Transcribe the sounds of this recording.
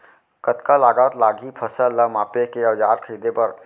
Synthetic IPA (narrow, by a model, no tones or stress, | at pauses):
kət̪kalaːɡaːt̪laːɡipʰəsəlamaːpekeɐʋd͡ʒaːɾkʰiːd̪epɐɾ